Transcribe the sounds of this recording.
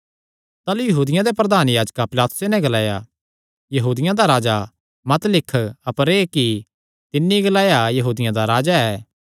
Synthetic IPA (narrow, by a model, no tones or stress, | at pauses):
t̪aːlujɐɦuːd̪ɪjãd̪epɾɐd̪aːnjaːd͡ʒkapɪlaːt̪ʊ̥senɛ̃ɡɐlaːja̰ | jɐɦuːd̪ɪjãd̪aɾaːd͡ʒa | mɐt̪lɪkʰːɐpəɾeːki | t̪ɪnːiɡɐlaːjajɐɦuːd̪ɪjãd̪aɾaːd͡ʒaɛː